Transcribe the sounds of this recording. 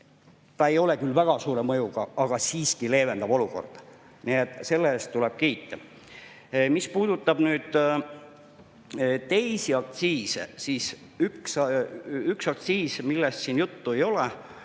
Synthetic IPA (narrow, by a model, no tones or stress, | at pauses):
t̪ɑe̞jo̞lekylːvæɡ̥ɑsuːɾe̞mɤjuɡ̥ɑʔɑɡ̥ɑsiːskile̞ːve̞nd̪̥ɑb̥o̞luko̞̰rd̪̥ | niet̪ːˑse̞lːeːst̪ːuleb̥keːt̪ːˑe | mispuːd̪ut̪ːˑɑb̥nyːd̪̥ | t̪e̞jsiɑk̚t̪siːsḛsiːs | yks | yksɑk̚t̪siːsmilːest̪siːnjut̪ːue̞jo̞le